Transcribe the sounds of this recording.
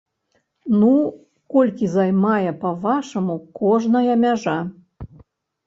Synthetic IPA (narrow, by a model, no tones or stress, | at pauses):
nu | kolʲkʲizɑjmɑjɛpɐvɑʃomukoʐnəjɐmʲaʒɑ